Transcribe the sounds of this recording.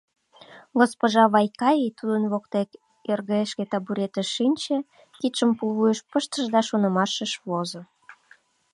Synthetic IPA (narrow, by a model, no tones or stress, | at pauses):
ɡospoʒɑβɑjkɑjit̪ud̪ənβok̚t̪ek | erɣəeʃket̪ɑbuɾet̪əʃːinʲt͡ɕe | kit̪ʃəmpulβujəʃpəʃt̪əʒd̪ɑʃonə̆mɑʃəʃβozo